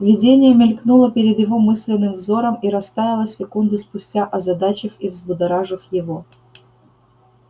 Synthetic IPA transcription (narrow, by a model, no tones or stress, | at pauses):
vʲɪdʲenʲɪjəmʲɪlʲknulˠəpʲɪɾʲɪd̪jɪvo̞mɨsʲlʲɪnːɨmvzo̞ɾəmiɾɐst̪avʲɪlˠəsʲɪkund̪ʊspʊsʲtʲaʔɐzɐd̪at͡ɕəxivzbʊd̪ɐɾaʐəxjɪvo